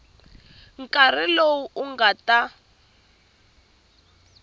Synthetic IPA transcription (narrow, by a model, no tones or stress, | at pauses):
ŋ̩kʼar̤ilowuʔuŋɡata